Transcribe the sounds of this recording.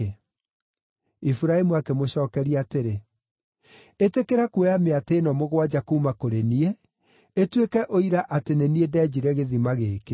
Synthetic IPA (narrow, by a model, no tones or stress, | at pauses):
ifuɾaemuakemoɕɔːkɛɾiateɾe | etekeɾakuejameateːnɔmoɣwad͡ʑakuːmakoɾenie | etwekɛʔoiɾaʔateneniedɛːd͡ʑiɾɛɣeðimaɣeːke